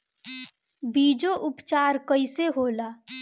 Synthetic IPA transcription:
biːd͡ʒoʔʊpt͡ʃaːɾkəiseɦoːlaː

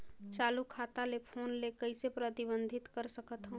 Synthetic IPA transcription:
t͡ʃaːlukʰaːt̪alepʰoːnlekəɪsepɾət̪ɪbə̃nd̪ʱɪt̪kəɾsəkət̪ɦõː

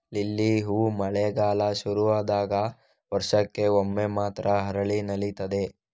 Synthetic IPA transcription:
lilːiɦuːmɐɭeɡaːlɐʃuɾuʋaːd̪aːɡɐ | ʋɐɾʂɐkːe̞omːemaːt̪ɾʔɐɦɐɾɐɭinɐlit̪ɐd̪e̞

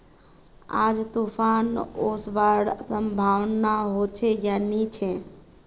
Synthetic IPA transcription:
a̰d͡ʒt̪upʰanosʋaɽsəmbʱaʋnaɦot͡ʃʰejanit͡ʃʰe

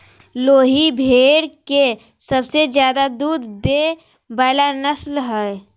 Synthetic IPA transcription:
loːɦibʱeːɽke | səbsed͡ʒjaːd̪ad̪uːd̪d̪e | bəːlanəslɦɛ

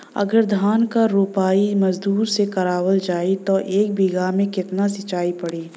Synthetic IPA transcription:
ɐ̰ɡəɾd̪ʱaːnkaɾuːpaːimɐzd̪uːɾsekɐɾaːwəld͡ʒaːit̪oʔeːk̚bʱiɡamẽkɪt̪nasɪt͡ʃaːipɐɽiː

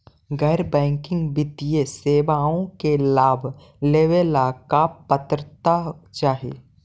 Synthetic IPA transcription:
ɡɛːɾbɛ̃ːŋkɪ̃ŋɡbɪt̪ijeseːʋaːõkelaːbʱ | leːwelakapət̪ɾət̪at͡ʃaːɦḛ

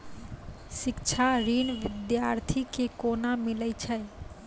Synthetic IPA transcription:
sɪkt͡ʃʰaɾinʋɪd̪jaɾt̪ʰikekonamɪlət͡ʃʰə

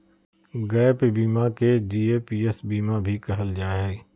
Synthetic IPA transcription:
ɡɛːpebiːmaked͡ʒiːeːpiːesbiːmabʱikɐɦəld͡ʒaːɦɛː

